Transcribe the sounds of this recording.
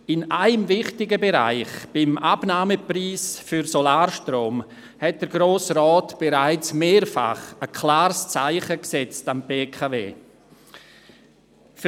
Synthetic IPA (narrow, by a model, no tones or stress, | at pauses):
ɪnʔaɪmvɪχtɪɡəbeɾa̰ɪχb̥ɪmʔab̥naːməpriːsfyɾsolaːɾʃtroːm | hɛt̚d̥əɾɡɾoːsrɔːtb̥eɾaɪt͡smeːɾfa̰χəkʰlaːɾst͡saɪχəksɛt͡stambeːkʰavḛː | f